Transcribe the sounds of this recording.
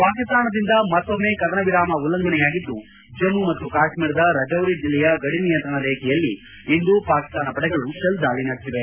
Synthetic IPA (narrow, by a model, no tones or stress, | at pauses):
paːkist̪aːnɐd̪ind̪ɐmɐt̪ːomːe̞ːkɐd̪ɐnɐʋiɾaːmɐulːɐŋɡɐnɛjaːɡid̪ːu | d͡ʒɐmumɐt̪ːukaːʂmiːɽɐd̪ɐɾɐd͡ʒɐʋɾid͡ʒilːɛjɐɡɐɽinijɐnt̪ɾɐɳɐd̪ekɛjɐlːi | ind̪upaːki̥st̪aːnɐpɐɽɛɡɐɭuʃɐld̪aːɭinɐɽt̪iʋe